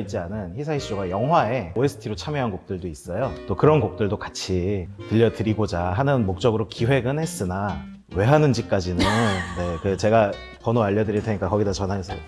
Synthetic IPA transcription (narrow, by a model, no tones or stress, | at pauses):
it͡ɕ͈ianɯnçisʰaiɕ͈oɡajʌŋɦwae̞oesʰɯ̥tʰiɾot͡ɕʰamjeɦanɡok̚t͈ɯɭdois͈ʌjot͈okɯɾʌnɡok̚t͈ɯɭdokḁt͡ɕʰitɯʎːʌdɯɾiɡod͡ʑaɦanɯnmok̚t͡ɕ͈ʌɡɯɾokiwe̞ɡɯnhe̞s͈ɯna | we̞ɦanɯnd͡ʑik͈ad͡ʑinɯnne̞kɯt͡ɕe̞ɡa | kʌnoaʎːʌdɯɾiɭtʰeɲik͈akʌɡidat͡ɕʌnɦasʰʌ